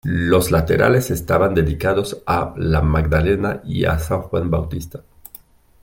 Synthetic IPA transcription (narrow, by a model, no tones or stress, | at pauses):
lo̞slat̪eɾʔa̰le̞sest̪aβand̪e̞ðikaðo̞salamaɡd̪alenaḭa̰saŋxwanbawt̪ist̪ḁ